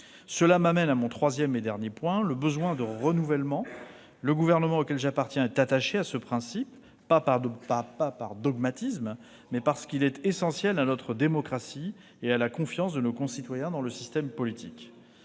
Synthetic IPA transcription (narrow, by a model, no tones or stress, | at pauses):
səlamamɛnamɔ̃t̪χwazjɛmed̪ɛʁnjepwɛ̃ləbəzwɛ̃d̪əʁənuvɛlmɑ̃ | ləɡuvɛʁnəmɑ̃okʲɛlʒapaʁt̪jɛ̃ɛt̪at̪aʃeasəpχɛ̃sipː | apaʁd̪papapaʁd̪ɔɡmat̪ism | mɛpaʁsə̥kilɛt̪esɑ̃sjɛlanɔt̪χəd̪emɔkχasi | ealakɔ̃fjɑ̃sd̪ənokɔ̃sit̪wajɛ̃d̪ɑ̃ləsist̪ɛmpɔlit̪ik